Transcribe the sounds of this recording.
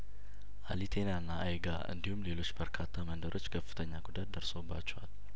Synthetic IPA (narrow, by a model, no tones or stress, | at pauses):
ʔalit̪ʰe̞nanːaʔajɡaɨ̰nd̪ihumle̞lo̞t͡ʃːbəɾkʰat̪ʰːamənd̪əɾʔo̞t͡ʃːkʰəfːɨ̥t̪ʰəɲːaɡud̪at̪̚d̪əɾsobːa̰t͡ʃːɛwal